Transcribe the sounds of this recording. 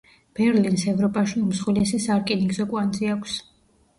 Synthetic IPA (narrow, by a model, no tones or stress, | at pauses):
b̥ɛɾlinsɛvɾɔpʼaʃiumsχwilɛsisaɾkʼiniɡzɔkʼwand̪zʼiakʷʰs